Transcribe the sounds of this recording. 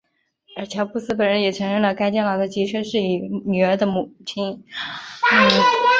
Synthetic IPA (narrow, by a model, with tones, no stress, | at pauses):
ə˞˧˥t͡ɕʰjɑ˧˥ʊpu˥˩sɹ̩˥p̬ə˨˩nɻə˧˥njɛ˨˩ʈ͡ʂʰɤ˧˥ŋɻə˥˩ŋlə˩ka˥ɪt͡ɕjɛ˥˩nlɑ˨˩ʊd̪ə˧˩t͡ɕi˧˥t͡ɕʰɥɛ˥˧ʂɻ̩˥˩i˨˩ny˨˩ə˞˧˥d̪ə˧mu˨˩t͡ɕʰi˥n | n̩˥˩